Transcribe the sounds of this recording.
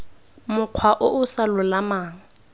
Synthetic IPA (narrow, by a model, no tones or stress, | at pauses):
mʊq͡χʰwaʔʊʔʊsalʊlamaːŋ̩